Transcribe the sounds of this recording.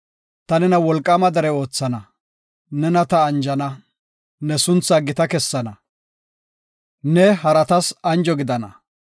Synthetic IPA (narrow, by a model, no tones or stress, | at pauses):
t̪ɐnɛnɐwɔlkʼːɐmɐd̪ɐɾɛo̞ːt͡sːɐnɐ | nɛnɐt̪ɐːnd͡ʒɐnɐ | nɛsʊnt͡sːɐɡɪt̪ɐkɛsːɐnɐ | nɛhɐɾɐt̪ɐsɐnd͡ʒɔɡɪd̪ɐnɐ̰